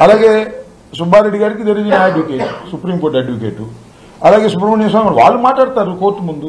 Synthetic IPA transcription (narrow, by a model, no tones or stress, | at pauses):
ɐlaːɡe | subaːd̪iɽiɡaɽikːid̪eɾid͡ʒinaeɖʋukeːʈusupɾiːmkoːʈeɖʋukeːʈːu | ɐlaːɡesup̬ɾɐmɐnɐs̬aːŋɡɐɾʋa̰ːlːumaːʈaːɽt̪aːɾukoːʈːumund̪u